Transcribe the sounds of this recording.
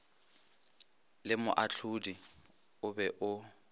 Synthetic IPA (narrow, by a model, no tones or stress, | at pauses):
lɪmʊ̰ʔat͡ɬʰudi | ʊbɛʔʊ